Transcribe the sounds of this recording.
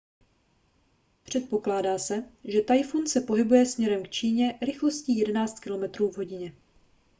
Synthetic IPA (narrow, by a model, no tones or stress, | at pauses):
pr̝̥ɛt̪̚po̞klaːdaːsɛʒɛt̪ajfunsɛpo̞ɦɪbujɛsmɲɛɾɛmkt͡ʃiːɲɛɾɪxlo̞sciːjɛdɛnaːt͡st̪kɪlo̞mɛt̪ɾuːvɦo̞ɟɪɲɛ